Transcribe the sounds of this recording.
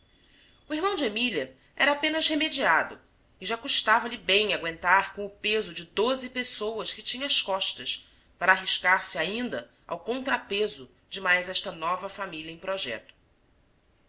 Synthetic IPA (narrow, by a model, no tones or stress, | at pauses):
ʊiɦmɐ̃w̃d͡ʒemiliɐ | ɛɾɐapẽnɐzhemed͡ʒiad̪ʊ̰ | ɪʒakuʃt̪avɐlɪbẽj̃aɡwẽnt̪aɾkõʊpezʊd͡ʒɪd̪ozɪpesowɐskɪt͡ʃĩɲɐɐskɔʃt̪ɐs | paɾɐːɦiʃkaɾsɪaĩnd̪ɐ | a̰wkõnt̪ɾapezʊ | d͡ʒɪmajzɛʃt̪ɐnɔvɐfamilɐẽj̃pɾɔʒɛ̰t̪ʊ̥